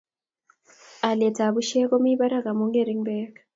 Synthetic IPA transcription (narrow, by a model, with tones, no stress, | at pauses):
a˨lɛ˨tʰa˨βu˦ʃɛ˦k̬ɔ˦mi˦βa˦ɾa˦ka˨mu˨˦ŋɡe˦˨ɾi˦ŋbɛː˦ka